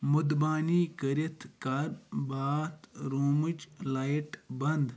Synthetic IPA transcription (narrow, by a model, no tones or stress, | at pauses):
mud̪baːniːkəɾit̪ʰkɐɾbaːt̪ɾoːmɨt͡ʃlaːiʈbɐnd̪